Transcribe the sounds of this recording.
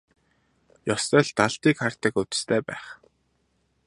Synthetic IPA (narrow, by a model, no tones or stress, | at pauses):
jɔst̪œːɮt̪aɮt̪iːkχar̥t̪ə̆kɵt̪ɵ̥̆st̪ʰæːpæ̰ːχ